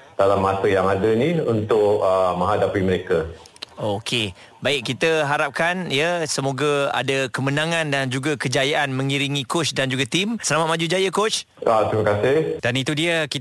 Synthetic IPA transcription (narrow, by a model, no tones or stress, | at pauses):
d̥alamːat̪əjaŋadənĩunt̪ʊʔəmə̃ŋɦadapiməɾeka | okʰe | baɪk̚kːit̪əɦaɾap̚kanjəsəmoɡaa̰dakəmənãŋãndand͡ʒuɡakəd͡ʒajaʔanmə̃ŋiɾiŋĩkot͡ʃdand͡ʒuɡat̪imsəlamat̪̚mad͡ʒud͡ʒajəkot͡ʃ | at̪ɾiməkasɪhd̥anit̪udiəki